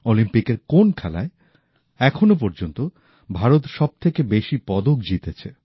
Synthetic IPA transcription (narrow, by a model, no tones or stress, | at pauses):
olimpikeɾkonkʰɛla̰e | ɛkʰonop̬oɾd͡ʑont̪o | bʱaɾot̪ʃɔb̚t̪ʰekebeʃipɔd̪okd͡ʑit̪et͡ɕʰe